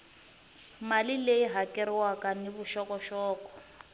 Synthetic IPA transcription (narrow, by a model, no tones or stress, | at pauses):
malileiɦakɛɾɪwakaniβuʃɔkɔʃɔːkɔ̥